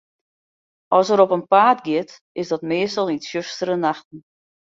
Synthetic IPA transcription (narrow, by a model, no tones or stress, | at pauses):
ʔɔsəɾɔpənpaːtɡjɪət | ɪsdɔtmɪəstəlˠitsjøstəɾənaxtn̩